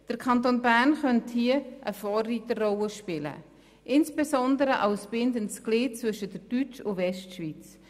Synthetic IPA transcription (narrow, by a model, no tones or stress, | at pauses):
d̥əɾkʰɑntoːnbærnχœnthiəʔəfɔːrːiːtərɔləʃpɪlə̰ | ʔɪnsb̥esɔndəɾəʔɑʊsb̥ɪndəntsklɪːtt͡svɵʃədəɾd̥yt͡ʃʊvɛʃtʃviːt͡s